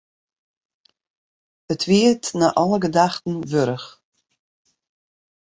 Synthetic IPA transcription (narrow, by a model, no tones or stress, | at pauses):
ətʰʋiətnaʔɔləɡədaxtn̩ʋøɾəx